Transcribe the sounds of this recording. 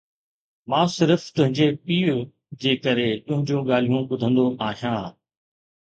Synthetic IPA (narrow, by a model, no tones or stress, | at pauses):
mãːsɪɾft̪ʊ̃ɦɪ̃ɲd͡ʑepiːʊ | d͡ʑeːkəɾet̪ʊ̃ɦɪ̃ɲd͡ʑõːɡaːl̤ijũɓʊd̪ʱə̃nd̪oʔaːɦijãː